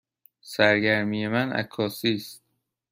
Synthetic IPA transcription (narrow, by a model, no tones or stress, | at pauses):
sæɾɡæɾmiːje̞mænæ̰kʰːɒːsiːst̪̚